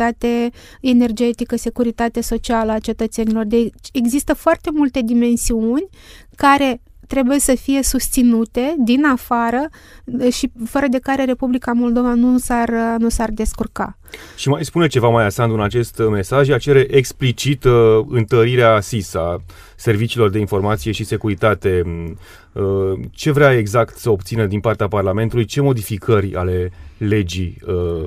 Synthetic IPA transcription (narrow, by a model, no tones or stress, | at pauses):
at̪e | ene̞rd͡ʒe̞t̪ikəse̞kuɾit̪at̪eso̞t͡ʃialəat͡ʃe̞t̪ət̪se̞nilo̞rd̪et͡ʃe̞ɡzist̪əfoart̪e̞mult̪e̞d̪ime̞nsiunʲ | kaɾe̞ | t̪ɾe̞buje̞səfije̞sust̪sinut̪e̞d̪inafaɾə | ʃifəɾəd̪e̞kaɾe̞ɾe̞publikamo̞ld̪o̞vanusarnusard̪e̞skurka̰ | ʃimajspune̞t͡ʃe̞vamajasand̪uɨnat͡ʃe̞st̪me̞saʒat͡ʃe̞ɾe̞ʔeksplit͡ʃit̪ɨnt̪əɾiɾeasisa | se̞rvit͡ʃiːlo̞rd̪e̞info̞rmat̪sije̞ʃise̞kuɾit̪at̪e̞ | ət͡ʃe̞vɾeae̞ɡzakt̪səo̞b̚t̪sinəd̪inpart̪eaparlame̞nt̪ulujt͡ʃe̞mo̞d̪ifikʰərʲa̰le̞le̞d͡ʒijə